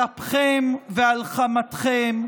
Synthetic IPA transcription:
apχemvealχamat̪χem

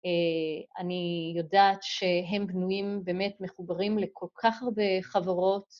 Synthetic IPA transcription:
eanijodaːtʃe̞ɦe̞mbnujimbeːme̞tmeχubaʁimle̞kʰo̞lkʰaχaʁbeχavaʁo̞t

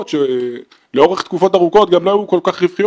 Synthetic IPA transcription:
t̪ʃe | leo̞ʁeχt̪kufo̞taʁuko̞t̪̚ɡamlojukolkaχʁivχij

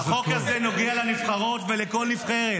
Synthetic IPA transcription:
okazeno̞ɡealanivχaʁo̞t̪veleko̞lnifχeʁe

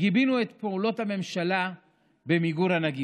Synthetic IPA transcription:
ɡibinuet̪peulo̞thame̞mʃala | bemiɡuɾanaɡi

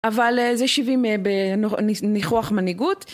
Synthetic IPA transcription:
ʔavalezeʃivimebenoniχoaχmaniɡut

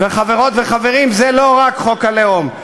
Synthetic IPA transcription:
veχaveʁo̞t̪ve̞χave̞ʁimzelo̞ʁakχo̞kaleom

